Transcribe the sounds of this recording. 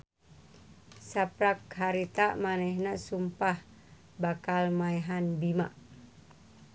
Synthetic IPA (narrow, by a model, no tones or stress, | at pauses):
sapɾakhaɾit̪aʔmanɛhnasumpah | bakalmaɛɦanbimaʔ